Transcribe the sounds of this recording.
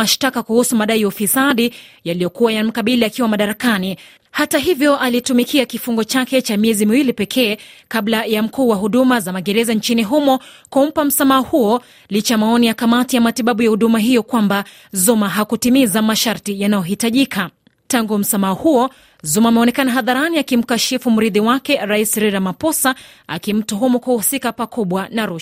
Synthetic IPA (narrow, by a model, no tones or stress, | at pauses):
aʃtakakuhusumaɗaiufisaɗijalijɔkuwajam̩kaɓiliakiwamaɗaɾakani | hataɦivjɔʔalitumikiakifuŋɡɔt͡ʃakɛt͡ʃamiɛzimiwilipɛkʰɛːkaɓlajam̩kuːwaɦuɗumazamaɠɛɾɛzant͡ʃiniɦumɔ | kum̩pam̩samaɔhuɔ | lit͡ʃajamaɔnijakamatijamatiɓaɓujahuɗumaɦijɔkwamba | zumaɦakutimizamaʃaɾtijanajɔɦitaʄikʰa | taŋɡum̩samaɔhuɔ | zumaːmɛɔnɛkanaɦaðaɾaniakim̩kaʃifum̩ɾiðiwakɛɾaisɾɛɾamapɔsaa̰kim̩tɔɦumɔkuhusikapakuɓwanaɾuʃ